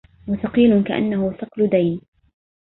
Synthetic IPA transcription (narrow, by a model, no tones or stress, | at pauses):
waθɑqiːlʊkaʔa̰nːahʊθɨqlʊd̪ajn